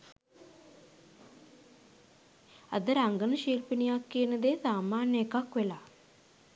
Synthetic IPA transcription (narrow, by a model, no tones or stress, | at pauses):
ə̰d̪əɾaŋɡənəʃiːlpinijakːiənəd̪eːsaːmaːnjəekakʋela